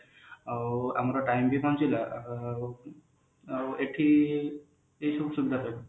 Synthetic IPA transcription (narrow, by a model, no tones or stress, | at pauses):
awa̰mɔɾɔʈajmbʱibʱɔnt͡ʃila | aeʈʰi | ejsubsubid̪ʱaɾa